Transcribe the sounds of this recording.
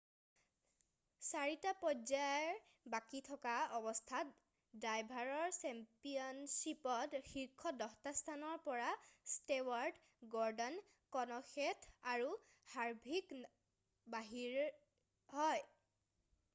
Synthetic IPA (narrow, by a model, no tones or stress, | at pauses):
saɹitapɔzaɹ | bakitʰɔkaɔbɔstʰat | dajbʱaɹɔɹsɛmpiɔnsipɔtxiɹkʰɔdɔxtastʰanɔɹpɔɹastewaɹɖ | ɡɔɹdɔn | kɔnɔxetʰaɹu | haɹbʱik | baɦiɹ | ɦɔj